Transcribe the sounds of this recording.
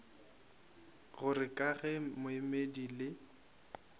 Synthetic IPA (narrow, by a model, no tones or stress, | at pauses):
ɣʊrɪkʼaɣɛmʊɪmedilɪ